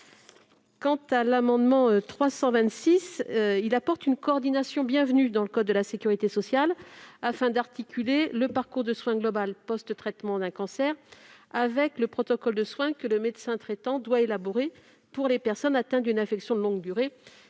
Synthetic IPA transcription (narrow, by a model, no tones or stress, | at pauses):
kɑ̃t̪alamɑ̃d̪mɑ̃øt̪χwasɑ̃vɛ̃t̪sisilapɔʁt̪ynkɔːʁd̪inasjɔ̃bjɛ̃vnyd̪ɑ̃ləkɔd̪ːəlasekʲyʁit̪esɔsjalafɛ̃d̪aʁt̪ikʲʰyleləpaʁkuʁd̪əswɛ̃ɡlɔbalpɔst̪t̪χɛt̪mɑ̃d̪ɛ̃kɑ̃sɛʁavɛkləpχɔt̪ɔkɔld̪əswɛ̃kələmed̪sɛ̃t̪χɛt̪ɑ̃d̪waelabɔʁe | puʁlepɛʁsɔnat̪ɛ̃d̪ynɛ̃fɛksjɔ̃d̪əlɔ̃ɡd̪yʁe